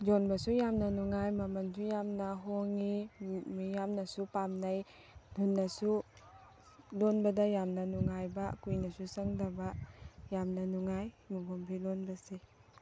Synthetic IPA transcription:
d͡ʒonbɐsujamnɐnuŋajmɐmɐnsʰujamnɐɦoŋimijamnɐsupamnaj | dunːɐsu | lonbɐdɐjamnɐnuŋajbɐkujnɐsusɐŋdɐbajamnɐnuŋaj | muɡumpʰilonbɐse

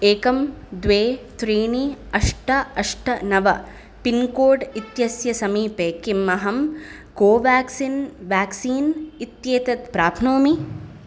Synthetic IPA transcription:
eːkɐmd̪ʋeːt̪ɾeːɳiɐʂʈɐɐʂʈʰɐnɐʋɐ | pinkoːɖit̪jɐsjɐsɐmiːpeːkimːɐɦɐm | koːʋaːksinʋaːksiːnit̪jeːt̪ɐt̪pɾaːpʰnoːmi

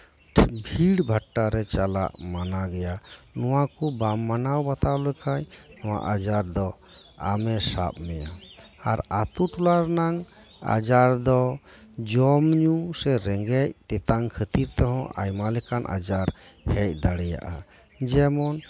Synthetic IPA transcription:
bʱiɽbʱaʈːaɾɛt͡ʃala̰ʔmanaɡɛjanɔwakubamːanawbat̪awlɛkʰajnɔwa̰ʔad͡ʒaɾd̪ɔ | a̰mɛsa̰p̚mɛjaaɾat̪uʈulaɾnaŋ | a̰d͡ʒaɾd̪ɔd͡ʒɔmɲusɛɾɛŋɡɛc̚t̪ɛt̪aŋkʰət̪iɾt̪ɔɦɔ̃ʔa̰jmalɛkanʔa̰d͡ʒaɾhɛc̚ˀd̪aɽɛja̰ʔa | d͡ʒɛmɔn

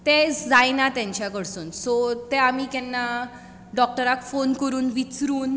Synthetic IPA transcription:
t̪ed͡zajnat̪ãɲt͡ɕjakəɽsuːnsot̪eamiːkɛnːa | ɖɔk̚ʈəɾakfonkəɾuːnʋit͡sɾuːn

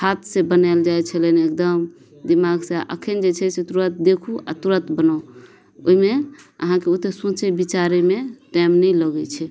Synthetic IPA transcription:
hat̪ʰsebənald͡ʒaet͡ʃʰəleneek̚d̪əm | d̪imaɡseʔə̰kʰend͡ʒet͡ʃʰɛset̪uɾət̪̚d̪ekʰua̰t̪uɾət̪bənao | o̰imeə̰ɦãkeot̪esõt͡ʃɛbit͡ʃaɾemeʈajmnɛjləɡɛt͡ʃʰɛ

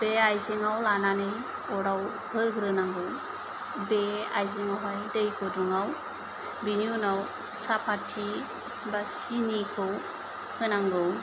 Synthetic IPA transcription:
b̥eajziŋawlanane | ɔɾaw | hɯɡɾɯnaŋɡɯw | bea̰jziɔɦajdɯjkʰɔduŋaw | biniunaw | sapʰatʰi | basinikʰɯw | hɯnaŋɡɯw

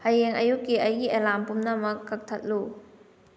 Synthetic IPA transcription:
hɐjeŋɐ̰jukːiʔɐjɡiʔelampumnɐmɐkːɐk̚tʰɐt̚lu

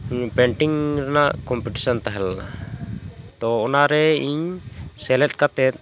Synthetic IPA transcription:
ɲpɛɳʈiŋɾnakɔmpiʈi̥sɔnt̪aɦɛla | t̪oːnaɾɛiɲsɛlɛt̪̚kat̪ɛt̪̚

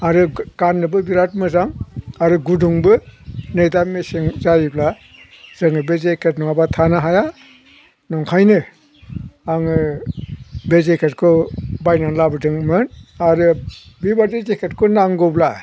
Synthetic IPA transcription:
aɾɯɡ̥anːɯbɯbiɾat̚mɯzaŋaɾɯɡuduŋbɯnɯjdamːeseŋzajibla | zɯŋɯbezekʰetnɔŋabatʰanɯɦaja | nɔŋkʰajnɯ | aŋɯ | bezekʰetkʰɔbajnanlabɯdɯŋmɯnaɾɯ | bibadizekʰetkʰɔnaŋɡɔbla

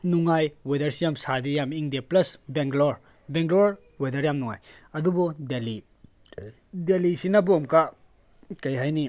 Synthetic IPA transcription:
nuŋajwedɐɾsijamsadiɾjamiŋdiaplɐsbeŋɡloɾ | beŋɡloɾ | wedɐɾjamnuŋa̰jɐdubɔdeli | delisinɐbomka | kɐjɦajni

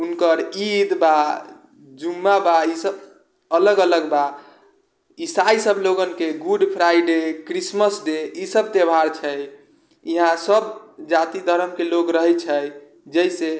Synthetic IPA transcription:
unkəɾid̪ba | d͡ʒumːabaisəb | ələɡələɡba | isaisəbloɡənkeɡuɖpʰɾajɖekɾisməsɖeisəb̚t̪ebʱaɾt͡ʃʰɛj | iɦãsəbd͡ʒat̪id̪ʱəɾəmkelokɾəɦɛt͡ʃʰəj | d͡ʒəise

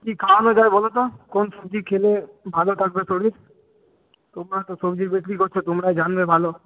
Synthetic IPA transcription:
kikʰaonod͡ʑaebɔlot̪̬okonsobd͡ʑikʰelebʱalot̪ʰak̚besoɽiɾ | t̪omɾat̪osobd͡ʑibeklikoɾt͡ɕʰet̪omɾajd͡ʑanbebʱalo

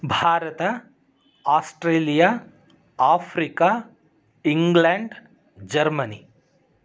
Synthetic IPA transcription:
bʱaːɾɐt̪ɐ | aːsʈɾeːlijaː | aːpʰɾikaː | iŋɡleɳɖ | d͡ʒɐɾmɐni

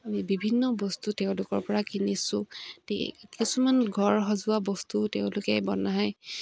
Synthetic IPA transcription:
amibibʱinːɔbɔstuteʊ̃lʊkɔɹpɔɹakinisʊ̃tḛkisumanɡʱɔɹɦɔzʊabɔstuteʊ̃lʊkɛbɔnaɦaj

